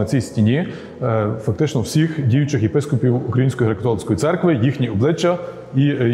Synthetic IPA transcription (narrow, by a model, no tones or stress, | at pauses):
ɐt͡sʲijsʲtʲinʲi | fɐk̚t̪ɪt͡ʃnɔwsʲixdʲijʊt͡ʃɪxjepɪskɔpʲiwukɾɐjinsʲkɔjiɾekɐt̪ɔlˠɪsʲkɔjit̪sɛrkʋɪjixnʲiɔblˠɪt͡ʃːɐ | i